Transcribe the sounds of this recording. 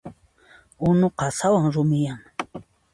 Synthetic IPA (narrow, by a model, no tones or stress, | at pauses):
ʊnoqasawaŋɾʊmɪjaŋ